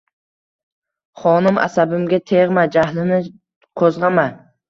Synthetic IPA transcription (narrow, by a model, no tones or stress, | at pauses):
χɒnɪmʔa̰sabɪmɡʲat̪ʰeʁmad͡ʒaɦlɪnɪ | qʰozʁama